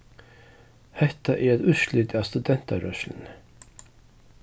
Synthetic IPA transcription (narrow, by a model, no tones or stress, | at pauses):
hɛt̪ɑʔeːɾɛt̪ʉːʃlʏt̪æːst̪ʉd̪ɛnt̪ɑɾœʃln̩